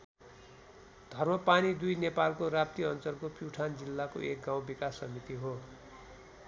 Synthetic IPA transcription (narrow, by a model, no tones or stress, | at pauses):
d̪ʱʌrmʌpanid̪ujnepalkorap̚t̪iʌnt͡sʌrkopuʈʰand͡zilːako̰ʔek̚ɡãw̃bikasːʌmit̪iɦo